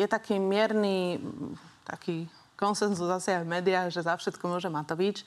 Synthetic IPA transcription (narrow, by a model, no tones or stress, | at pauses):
jɛt̪akiːmɪɛɾni | t̪a̰kiː | kɔnsɛnzuzasɛajvmɛːd̪iaːɣʒɛzafʃɛt̪kɔmʊɔʒɛmat̪ɔʋit͡ʃ